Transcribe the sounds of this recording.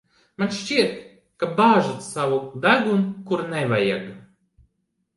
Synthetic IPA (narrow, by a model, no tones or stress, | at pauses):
manʃt͡ɕiɛt̪ | kabaːʒat̪savud̪aɡunkuɾnɛvajaɡ